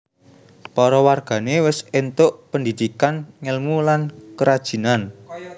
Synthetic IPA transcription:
pɔɾɔwarɡ̥a̤newɪsent̪ʊʔpəndid̪̥ikanŋəlmulankəɾad̥ʒ̥i̤nan

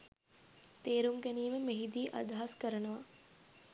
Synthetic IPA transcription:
t̪eːɾuŋɡæniːməmeɦid̪iːʔa̰d̪aɦaskəɾənəʋa

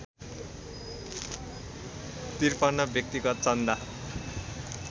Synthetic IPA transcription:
t̪irpʌnːʌbjʌk̚t̪iɡʌt͡sʌnd̪a

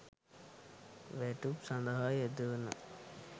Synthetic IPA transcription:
ʋæʈupsand̪əɦajed̪əʋənə̰

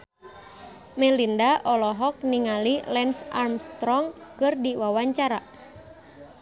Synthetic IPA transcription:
mɛlindaʔɔlɔɦɔk̚niŋalilɛnsʔarmst̪ɾɔŋkɨrdiwawaɲt͡ʃaɾa

